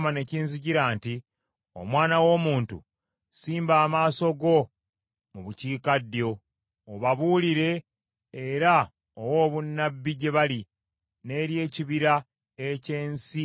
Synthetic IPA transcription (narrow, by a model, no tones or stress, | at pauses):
mane̞ciːnziɟiɾaːnti | o̰mwaːnawo̞muːntṵ | siːmbaːmaːso̞ɡo̞ | muβuciːkadjo̞ | oβaβuːliɾe̞ː | ɾa | owo̞ːβunːabːiɟe̞βali | ne̞ːɾje̞ːciβiɾa | e̞ce̞ːnsi